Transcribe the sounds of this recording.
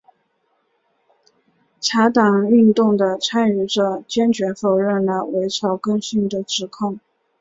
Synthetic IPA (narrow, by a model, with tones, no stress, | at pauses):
ʈ͡ʂʰa˧˥t̪ɑ˨˩ŋy˥˧nt̪ʊ˥˩ŋd̪ə˩t͡sʰa˥ny˨˩ʈ͡ʂə˧˩t͡ɕjɛ˥nt͡ɕɥɛ˧˥fo˨˩ʊɻə˥˩nlə˩we˧˥ɪʈ͡ʂʰɑ˧˥ʊkɤ˥ŋɕy˥˩ŋd̪ə˩ʈ͡ʂɻ̩˧˥kʰʊ˥˩ŋ